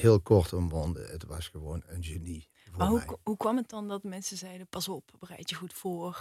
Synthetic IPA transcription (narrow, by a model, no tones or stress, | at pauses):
hɪːlˠkɔɹtɔmʋɔndə̰ətʋɑsχəʋoːnənʒeni | vʊːmaɦuɦukʋɑmət̚dɑndɑt̚dəmɛnsəzɛjdəpɑsɔpbərɛ̰jtəχutfoːr